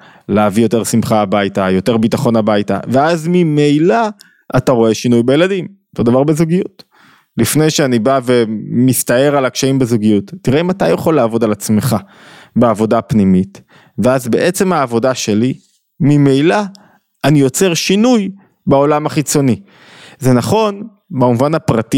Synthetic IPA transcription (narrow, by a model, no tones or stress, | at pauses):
leavijo̞te̞ʁsimχaːbajtajo̞te̞ʁbitaχo̞nabajta̰veazmimejla | ʔataʁo̞e̞ʃinujbeje̞ladim | zod̪avaʁbezuɡijut | lifnejʃeanibave̞mistae̞ʁalakʃaimbezuɡijutːiʁeimatajeχoleːvo̞dalat͡sme̞χa | beavo̞dapnimit | ve̞azbe̞ʔe̞t͡se̞maːvo̞daʃe̞li | mimejlaː | nijo̞t͡se̞ʁʃinuj | beo̞lamaχit͡so̞ni | ze̞naχo̞n | bamuvanhapʁati